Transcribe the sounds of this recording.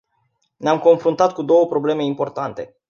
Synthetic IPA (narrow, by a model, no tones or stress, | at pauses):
neamko̞nfɾunt̪at̪̚kud̪o̞wəpɾo̞ble̞me̞impo̞rt̪ant̪e̞̰